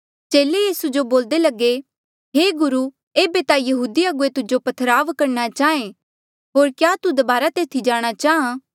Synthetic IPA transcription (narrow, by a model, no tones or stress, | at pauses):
t͡ʃeːlejiːsud͡ʒoboːld̪elɐɡe | ɦeːɡʊɾu | eːbet̪ajɐɦuːd̪iɐɡuet̪ʊd͡ʒopɐt̪ʰəɾaːʋkɐɾnat͡ʃaːẽ | ɦoːɾkjaːt̪ud̪ɐbaːɾat̪eːt̪ʰid͡ʒaːɽ̃at͡ʃaːã